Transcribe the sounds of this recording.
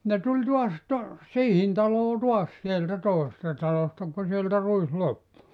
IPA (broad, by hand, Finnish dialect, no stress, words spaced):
ne tulʲ tuɑs to siːhin tɑloː tuɑs sieltæ toˑesestɑ tɑlostɑ ku sieltæ ruis lopːu